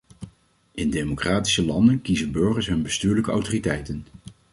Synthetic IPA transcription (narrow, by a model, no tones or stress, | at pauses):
ʔɪndejmokraːti̥səlɑndənkizənbɵɹχəsɦɵnbəstyːɹləkəa̰wtoritɛjtən